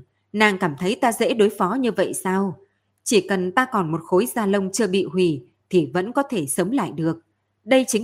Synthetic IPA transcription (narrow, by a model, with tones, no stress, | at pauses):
naː˨˩ŋkaː˧˩mt̪ʰə˨˦jt̪aː˧zḛ˧˥ɗo˨˦jfɔ˨˦ɲɨ˧və̰˧˨jsaː˧w | t͡ɕi˧˩kə˨˩nt̪aː˧kɔ˨˩nmo˨˩t̚xo˨˦jzaː˧lə˧wŋ͡mt͡ɕɨ˧əɓḭ˧˨ɦwi˧˩ | t̪ʰi˨˩və̰˧˥nkɔ˨˦t̪ʰe˧˩sə˨˦wŋ͡mla̰ː˧˨jɗɨ˨˩ək̚ | ɗə˧jt͡ɕï˨˦